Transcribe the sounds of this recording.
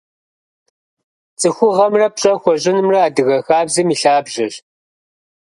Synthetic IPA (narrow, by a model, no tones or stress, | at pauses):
t͡sʼɨxʷʊʁɐmrɐp̚ɕʼɐxʷɔʑɪnɨmrɐːdɨɣɐxaːbzimiɬaːbʑɐɕ